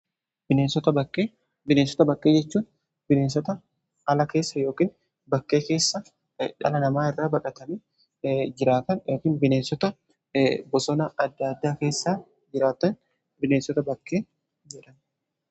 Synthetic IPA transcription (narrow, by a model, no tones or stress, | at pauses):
bɪneːnsɔt̪ɐbɐkʼːeː | bɪneːnsɔ̥t̪ɐbɐkʼːe̞ːd͡ʒɛt͡ʃːuːn | bɪneːnsɔt̪ɐ | ɐlɐke̞ːsːɐjo̞ːkiːn | bɐkːe̞ːke̞ːsːɐ | ᶑɐ̰lɐnɐmaːɪrːaːbɐkʼɐt̪ɐniː | d͡ʒɪɾaːt̪ɐnoːkɪːnbɪneːnsɔt̪ɐ | bɔsɔnɐɐd̪ːad̪ːaːke̞ːsːaː | d͡ʒɪɾaːt̪ːɐn | bɪneːnsɔt̪ɐbɐkʼːeː | d͡ʒɛᶑɐn